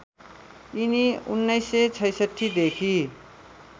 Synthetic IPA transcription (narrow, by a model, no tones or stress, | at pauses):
iniunːʌjsːet͡sʰʌjsʌʈʰːid̪ekʰi